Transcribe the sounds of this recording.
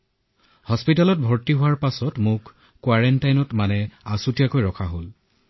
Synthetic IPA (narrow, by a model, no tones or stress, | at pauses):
hɔspitalɔt̚bʱɔɹtiɦʊwaɹpasɔtmʊk | kːwaɹɛntajnɔtmanɛasutijakojɹɔkʰaɦol